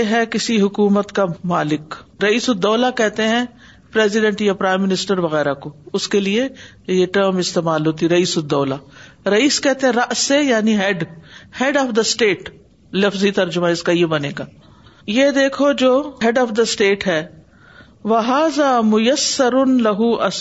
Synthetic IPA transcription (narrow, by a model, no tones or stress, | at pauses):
ɦɛkɪsiɦʊkuːmət̪kamaːlɪkɾɐiːsʊd̪ɔːlakɛɦt̪eɦɛ̃ | pɾeːzɪɖɛ̃ɳʈjapɾaːɪmːɪnɪsʈəɾʋɐɣɛːɾakoʊskelie | jeʈəɾmɪst̪eːmaːlɦoːt̪iɾɐiːsʊd̪ːɔːlaːɾɐiːskɛɦt̪ẽɦɛ̃ɾɐʔsejaːniɦɛɖhɛɖɔːfd̪ɐsʈeːʈ | lɐfzit̪ɐɾd͡ʒʊmãɪskajebɐneːɡaː | jed̪eːkʰod͡ʒoːɦɛɖɔːfd̪ɐsʈeːʈɦɛː | ʋɐɦaːzaːmʊjɐsːɐɾʊnlɐɦuʔɐ